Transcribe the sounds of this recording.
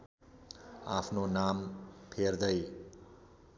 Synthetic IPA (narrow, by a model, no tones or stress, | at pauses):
a̰pʰnonampʰerd̪ʌj